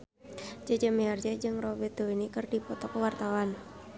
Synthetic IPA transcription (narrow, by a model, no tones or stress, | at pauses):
d͡ʒəd͡ʒəmiard͡ʒɛd͡ʒɨŋrɔbɛd̪̥oinikɨrdipɔt̪ɔkəwart̪awan